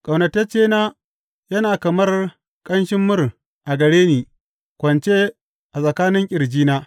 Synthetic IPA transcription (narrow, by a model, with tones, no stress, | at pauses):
kʼɐ˨wnɐ˨tːɐ˦t͡ʃeː˦naː˦ | jɐ˦naː˨kɐ˨mɐ˦r | kʼɐ˦nʃɪ˦mːʊ˦r | ʔa˨ɡɐ˨ɽeː˦niː˨ | kʷɐ˨nt͡ʃe˦ | ʔa˨sʼɐ˨kaː˦nɪ˦ŋkʲʼɪ˨ɾd͡ʒiː˦naː˦